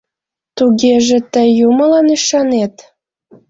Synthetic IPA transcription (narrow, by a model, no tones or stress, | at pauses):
t̪uɣeʒĕt̪əːuməlɑnyʃɑnet̪